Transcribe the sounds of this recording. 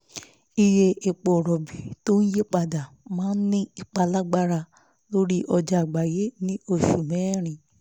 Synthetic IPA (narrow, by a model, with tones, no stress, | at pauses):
i˧je˧e˨k͡po˨ɾɔ˨bi˨to˦n̩˦je˦k͡pa˧da˨ | mãː˦n̩˦nĩ˦i˨k͡pa˧la˦ɡ͡ba˦ɾa˧ | lo˦ɾi˦ʔɔ˧d͡ʒa˨ɡ͡ba˨je˦nĩ˦o˦˨ʃu˨mɛ̃˨˦˨ɾ̃ĩ˨